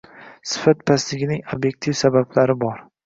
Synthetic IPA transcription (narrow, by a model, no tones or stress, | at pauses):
sɪ̥fat̪̚pʰaslɪɡʲɪnɪŋobje̞k̚ʲt̪ʰifsabablaɾɪbɒɾ